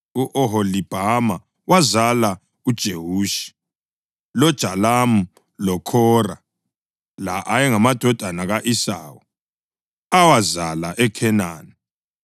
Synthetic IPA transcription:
uʔɔɦɔlib̥ʱama | wazala | ud̥ʒ̥ʱeɦuːʃi̥ | lɔd̥ʒ̥ʱalamu | lɔkʰɔra | la̰ʔajɛŋamad̥ʱɔd̥ʱanaɣaʔisa̰ːwɔ | awazalaʔɛkʰɛnaːni

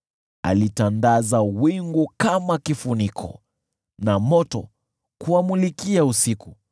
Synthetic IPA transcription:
a̰litandazawiŋɡukamakifunikʰɔ̰ | namɔtɔ | kuamulikiausiku

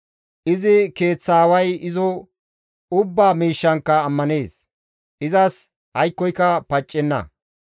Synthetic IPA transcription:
ʔɪzɪke̞ːt͡sːaːwɐjɪzɔ | ʊbːaːmiːʃːɐŋkːɐːmːɐne̞ːs | ʔɪzɐs | hɐjkːɔjkːɐpɐt͡ʃʼːɛnːɐ̰

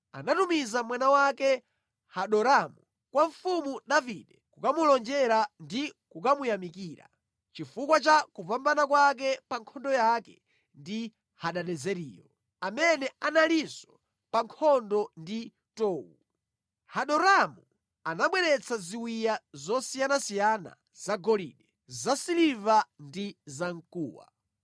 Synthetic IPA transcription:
a̰natumizamwanawakɛ | haɗɔɾamu | kwaɱfumuɗaviɗɛkukamulɔnd͡ʒɛɾandikukamujamikiːɾa̰ | t͡ʃifukwat͡ʃakupambanakwak̬ɛpaŋkʰɔndɔjakɛ | ndi | haɗaɗɛzɛɾḭːjɔ̰ | amɛnɛanalisɔ̥ | paŋkʰɔndɔndi | tɔːwu | haɗɔɾamu | anaɓwɛɾɛt͡sʰaziwijazɔsijanasijana̰ | zaɡɔlḭɗɛ | zasilivandizaŋ̩kṵːwa̰

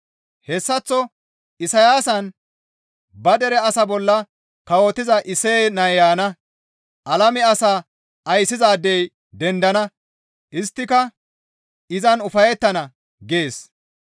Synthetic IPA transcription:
hɛsːɐt͡sːɔ | ɪsɐjaːsɐn | bɐd̪ɛɾɛɐsɐbɔlːɐ | kɐwot̪ːɪzɐʔɪseːnɐjaːnɐ | ʔɐlɐmɪɐsaː | ʔɐjsːɪzaːd̪ɛj | d̪ɛnd̪ɐnɐ | ʔɪst̪ːɪkɐ | ɪzɐnʊfɐjɛt̪ːɐnɐ | ɡe̞ːs

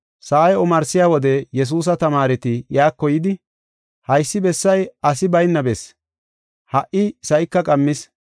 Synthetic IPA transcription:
saːjɛɔmɐɾsɪjaːwɔd̪ɛjɛs̬uːs̬ɐt̪ɐmaːɾɛt̪ɪjaːkːɔjɪd̪ɪ | hɐjsːɪbɛsːɐjɐsɪbɐjnːɐbɛs | hɐʔʔɪsɐjkːɐkʼɐmːɪs

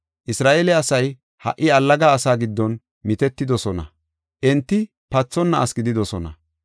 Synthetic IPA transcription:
ʔɪsɾaːʔeːlɛɐsɐj | hɐ̰ʔːɪɐlːɐɡaːsaːɡɪd̪ːɔn | mɪt̪ɛt̪ːɪd̪ɔsɔnɐ̰ | ʔɛnt̪ːɪ | pɐt͡sːɔnːɐɐsɡɪd̪ɪd̪ɔsɔnɐ̰

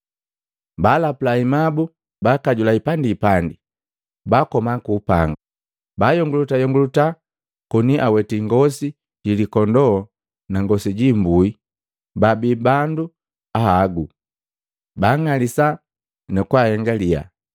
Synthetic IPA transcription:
balapulaimabu | bakaɟulaipandiːpandi | bakɔmakuːpa̰ŋɡa | baːjɔŋɡulutajɔŋɡuluta | kuniʔawɛtiŋɡɔsi | ɟilikɔndɔː | naŋɡɔsiɟimbui | babibandu | ahaɡu | baŋalisa | nɛkwahɛŋɡalija̰

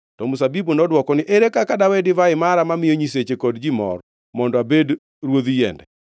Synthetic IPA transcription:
tɔmusabibonɔdwɔkɔnɪʔeɾekakadawedɪvaɪmaɾamamɪjoɲiset͡ʃekɔdd͡ʒimɔ̰r | mɔndɔabed | ɾwoðijɛ̰ndɛ

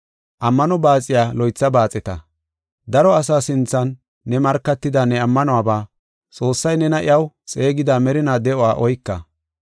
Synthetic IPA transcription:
ʔɐmːɐnɔbaːt͡sʼɪjaːlɔjt͡sːɐbaːt͡sʼɛt̪ɐ̰ | d̪ɐɾɔɐsaːsɪnt͡sːɐnː | ɛmɐɾkːɐt̪ːɪd̪aːnɛɐmːɐnɔwaːbaː | t͡sʼo̞ːsːɐjnɛnɐʔɪ̰jɐwt͡sʼe̞ːɡɪd̪aːmɛɾɪnaːd̪ɛʔɔwaːʔɔjkːɐ

